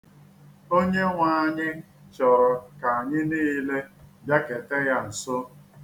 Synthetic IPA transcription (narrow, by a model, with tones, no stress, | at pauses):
o˦ɲe˦ŋʷa˨a˨ɲɪ˦ | t͡ʃɔ˨ɾɔ˨ka˨a˨ɲɪ˦niː˦le˦ba˦ke˨te˦ja˦n̩˨sʊ˦